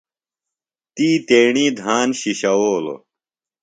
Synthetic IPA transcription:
t̪iːt̪eːɳiːd̪ʱaːnɕiɕɐwoːlo̰

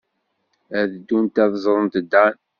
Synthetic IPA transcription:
æðd̪ːunt̪æðzˤɾˤənt̪d̪ːæn

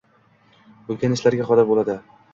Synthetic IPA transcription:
olɡʲanɪʃlaɾɡʲaχɒd̪abolad̪ɪ

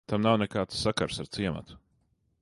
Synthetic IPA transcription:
t̪amnawnɛkaːt̪sːakaɾsaɾt̪siɛma̰t̪u̥

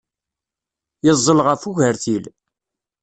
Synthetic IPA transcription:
jəzˤːəlʁəfuʝəɾθil

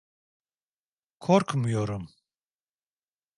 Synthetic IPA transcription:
kʰɔɾkʰmujɔɾum

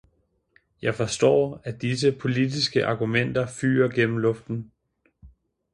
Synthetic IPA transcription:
jɑ̈ɪfɒ̽sd̥ɒ̰ːæd̥is̬əpʰo̝lidisɡ̥əʔɑ̈ɡ̥umen̰d̥ɐfy̰ːɐɡ̥en̰m̩lɔ̽fd̥n̩

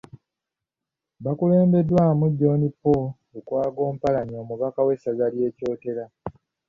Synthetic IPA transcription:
βakule̞ːmbe̞dːwamuɟːo̞ːnipːo | ukwaːɡo̞ːm̩palaɲio̞ːmuβakawe̞saɡalje̞ːco̞ːte̞ɾa

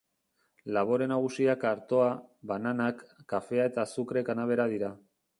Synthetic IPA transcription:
laβo̞ɾe̞naɣ̞usiakaɾt̪o̞aβananakːafe̞ae̞t̪asukɾe̞kanaβ̞e̞ɾað̞iɾa

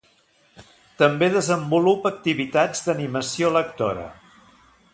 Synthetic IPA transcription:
t̪əmbeðəzəmbulupək̚t̪iβit̪ad͡zd̪əniməsioləkt̪o̰ɾə̰

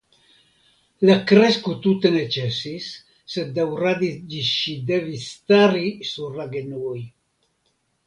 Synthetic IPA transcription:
lakɾeskut̪ut̪enet͡ʃɛsisː | et̪̚d̪awɾad̪id͡ʒiʃid̪evist̪aɾisuɾlaɡenuj

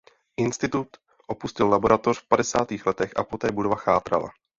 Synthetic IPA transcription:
ʔɪnst̪ɪt̪ut̪ | ʔo̞puscɪllabo̞ɾat̪o̞r̥fpadɛsaːt̪iːxlɛt̪ɛxʔa̰po̞t̪ɛːbudovaxaːt̪ɾa̰la̰

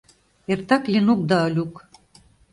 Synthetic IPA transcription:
ert̪ɑklinuk̚d̪ɑɤlʲuk

